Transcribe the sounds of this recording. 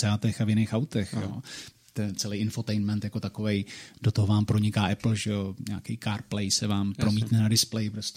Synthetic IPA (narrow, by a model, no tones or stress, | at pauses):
ɛat̪ɛxavjɪnejxawt̪ɛxjo̰ː | t̪ɛt͡sɛlejʔɪnfo̞t̪ɛjnmɛnt̪jako̞t̪ako̞vɛjd̥o̞t̪oɦovaːmpɾo̞ɲɪkaːʔɛpl̩ʒɛo̞ɲaːkɛjkaːɾplɛjsɛvaːmpɾo̞miːt̪nɛnadɪsplɛjɪpɾos